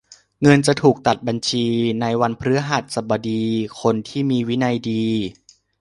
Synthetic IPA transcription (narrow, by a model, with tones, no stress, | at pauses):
ŋɤ˧nt͡ɕa˨˩t̪ʰuː˨˩k̚t̪a˨˩t̪̚ba˧nt͡ɕʰiː˧na˧jwa˧npʰɾɯ˦˥ɐɦa˨˩t̪̚sa˨˩ba˧diː˧kʰo˧nt̪ʰiː˥˩miː˧wi˦˥na˧jdiː˧